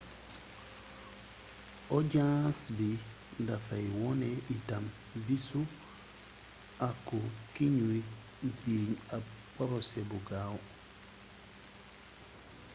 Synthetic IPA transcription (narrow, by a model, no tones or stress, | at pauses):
ʔɔɟãsbi | ndafajwɔnɛʔitam | bisu | ʔakːukiɲui | ɟiːɲapɔɾɔsɛbuɡaw